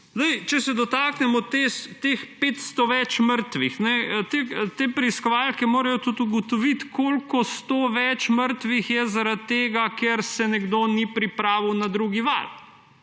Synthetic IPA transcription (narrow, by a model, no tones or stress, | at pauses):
zd̪ɐjt͡ʃɛsɛd̪ɔt̪aːknɛmɔt̪est̪expeːt̪st̪ɔʋɛt͡ʃməɾt̪ʋixnɛt̪et̪eːpɾɛiskɔʋaːlkɛmoːɾajɔt̪ut̪uɡɔt̪ɔʋit̪kʰolkɔst̪oːʋɛt͡ʃməɾt̪ʋixjɛzaɾat̪t̪ːeːɡakeɾsɛnɛɡd̪onipɾipɾaːʋiwnad̪ɾuɡiʋa̰ɾ